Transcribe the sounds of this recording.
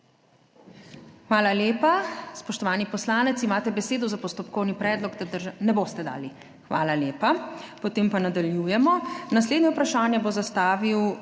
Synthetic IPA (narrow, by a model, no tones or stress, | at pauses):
xʋaːlaljeːpaspɔʃt̪ɔʋaːnipɔslaːnɛt̪simaːt̪ɛbɛseːd̪ɔzapɔst̪ɔpkɔwnipɾɛːd̪lɔɡd̪ad̪ɾʒanɛbost̪ɛd̪a̰ːli | xʋa̰ːlaleːpapɔt̪eːmpanad̪aljujɛmɔnas̬led̪njɛupɾaʃaːnjɛbozast̪aːʋiw